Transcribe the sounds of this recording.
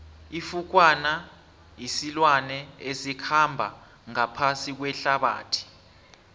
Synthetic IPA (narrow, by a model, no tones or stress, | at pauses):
ifuk̬wana | jisilwanɛesikʰambʱa̰ | ŋapʰasik̬wɛɬaɓa̰ːtʰi̥